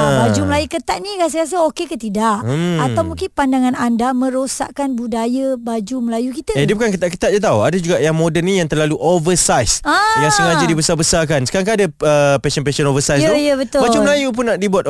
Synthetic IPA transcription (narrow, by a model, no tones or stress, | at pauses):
abad͡ʒuməlajukət̪aʔ̪̚nĩkas̬əkas̬əokekət̪idaʔəat̪awmũŋkɪnpandaŋãnandamə̃ɾosa̰ʔkanbudajəbad͡ʒuməlajukit̪əiəbukankət̪aʔkət̪at̪̚d͡ʒat̪awadad͡ʒuɡaʔjaŋmodənijaŋt̪ərlaluʔovəsajsaɾasuŋad͡ʒədibəsabəsarkansə̥kaɾaŋk̬aːdaəpɛsənp̬ɛsənovəsajsəjəbət̪ʊbad͡ʒuməlajup̬ʊnːaʔdibuat̪